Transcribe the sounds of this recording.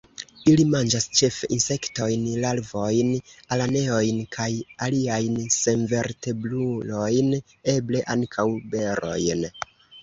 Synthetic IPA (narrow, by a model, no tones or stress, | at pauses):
ilimand͡ʒast͡ʃe̞feʔinse̞kto̞jnlalvo̞jnalane̞o̞jnkʰajaliajnse̞nve̞ɾte̞blulo̞jn | e̞ble̞ʔaŋkʰawbe̞ɾo̞̰jn